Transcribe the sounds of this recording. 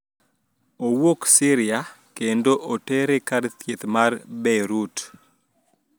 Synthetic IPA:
owoksɪɾɪja | kendoʔoteɾekaɾt̪jet̪marbɛɾut

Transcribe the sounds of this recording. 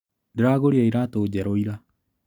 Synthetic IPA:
deɾaɣoɾeaiɾatoːd͡ʑɛɾoiɾa

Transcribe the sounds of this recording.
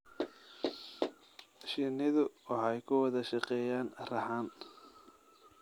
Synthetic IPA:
ʃɪnɪðʊwɑħɑjkʰʊwɑðɐʃɑqɛːjaːnrɐħaːn

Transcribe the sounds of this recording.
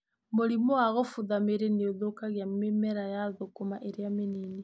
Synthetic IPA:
moɾimɔaɣofuðameɾeneoðokaɣjamemɛɾajaðokomaʔeɾeameneni

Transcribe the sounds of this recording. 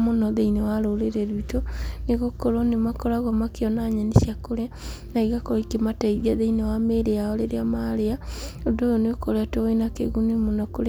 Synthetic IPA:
monɔðeinewaɾoleɾeɾitoneɣokoɾonemakoɾaɣɔmakeɔnaɲaniʃjakoɾja | naiɣakoɾikemataiβiaðeinewameɾeaoleɾeamaleaodojonekoɾeatoenakḛɣunimonɔkoɾe

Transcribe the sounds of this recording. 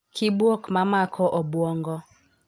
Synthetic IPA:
kʰibwɔkmamakʰɔʔɔbwɔŋɡɔ

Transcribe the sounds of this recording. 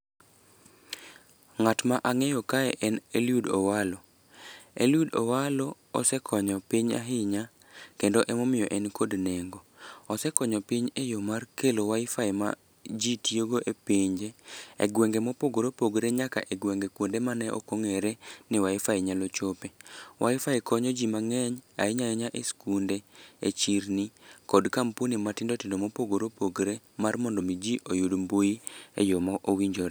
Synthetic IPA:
ŋatmaʔaŋɛjɔkaɛʔɛneljudo̰walo | ḛljudɔ̰walɔ | ɔsɛkʰɔɲɔpiɲa̰ɦɪɲa | kendoʔɛmomɪjɔʔɛnkodneŋɡoɔsɛkɔɲɔpiɲejomarkelowaɪfaema̰ | d͡ʒitioɡoʔepiɲd͡ʒeḛɡwɛŋɡemopoɡoɾopoɡɾeɲaka̰ʔeɡwɛŋɡekwondemanɛʔɔ̰koŋeɾenɪwaɪfaiɲalɔt͡ʃopewʔaɪfaekɔɲɔd͡ʒimaŋɛɲa̰ɪɲaɛɲaʔeskundeḛt͡ʃiɾnikɔdkampunimatɪndɔtɪndomopoɡoɾopoɡɾe | marmɔndɔmid͡ʒiʔojudmbojiḛjomaʔowiɲd͡ʒoɾ

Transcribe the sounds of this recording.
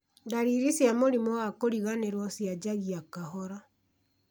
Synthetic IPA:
ndaɾiɾisjamoɾimɔwakoɾiɣaneɾwɔsjad͡ʑaɣiakaɦɔɾɔ

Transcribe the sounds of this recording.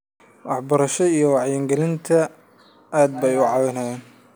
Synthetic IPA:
wɑħbɐɾɐʃɔijɞwɑʕjɛŋɡɛlɪnt̪ʰɐ | aːd̪̚bɛjʊʕɑwɪnɐjɛːn

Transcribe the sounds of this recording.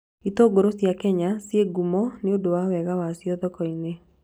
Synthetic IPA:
itoːɡoɾosjakɛɲasjeɡumɔneodowawɛɣawasiɔðɔkɔine

